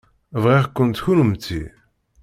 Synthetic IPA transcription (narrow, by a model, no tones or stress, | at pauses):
vʁiʁkʷːənt̪çunəmt̪ːḭ